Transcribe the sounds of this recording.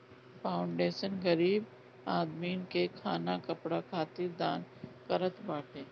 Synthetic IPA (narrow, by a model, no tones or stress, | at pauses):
faːʊɳɖeːʃənɡɐɾiːb | aːd̪miːnkekʰaːnakɐpɽakʰaːt̪iɾd̪aːnkɐɾət̪baːʈeː